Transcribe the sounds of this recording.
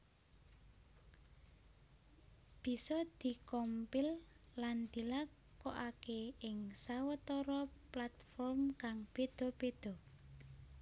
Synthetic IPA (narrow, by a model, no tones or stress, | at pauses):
b̥i̤sɔd̪̥i̤kɔmpɪlː | and̪̥i̤lak | kɔʔakeɪŋsawət̪ɔɾɔplat̪fɔrmkaŋb̥ed̪̥o̤b̥ed̪̥ɔ